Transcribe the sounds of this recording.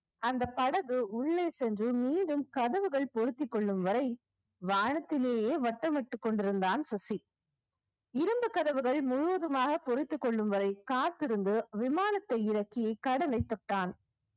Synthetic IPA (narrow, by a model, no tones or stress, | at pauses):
ɐnd̪ɐpɐɽɐɣɯʊɭːeːsɛndrɯmiːɳɖɯmkɐðɐʋɯɣɐɭpɔɾɪt̪ːɪkːɔɭːɯmʋɐɾɐɪ | ʋaːɳɐt̪ːɪleːjeːʋɐʈːɐmɛʈːɯkːɔɳɖɪɾɯnd̪aːnsɐsi | ɪɾɯmbɯkɐðɐʋɯɣɐɭmʊɻʊʋɐðɯmaːɣɐpɔɾɪt̪ːɯkːɔɭːɯmʋɐɾɐɪkaːt̪ːɪɾɯnd̪ɯʋɪmaːnɐt̪ːɐɪɪɾɐkːɪjɐɪkːɐɽɐlɐɪt̪ːɔʈːaːn